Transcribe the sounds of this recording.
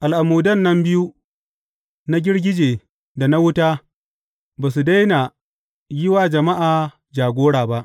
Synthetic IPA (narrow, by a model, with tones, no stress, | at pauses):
ʔa˨lʔa˨muː˨dɐ˦˨nːɐ˦mbɪ˦ju˦ | na˦ɡʲɪ˦ɽɡʲɪ˦d͡ʒeː˨ | da˨na˦wʊ˦taː˦ | baː˨s̬u˨da˦jna˨ | jɪ˦waː˨d͡ʒɐ˨ma˦ʔaː˨ | d͡ʒaː˨ɡʷoː˦ɽaː˨ba˦ʔ